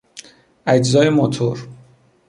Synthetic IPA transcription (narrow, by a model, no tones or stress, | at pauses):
æd͡ʒzɒːjemot̪ʰoɾ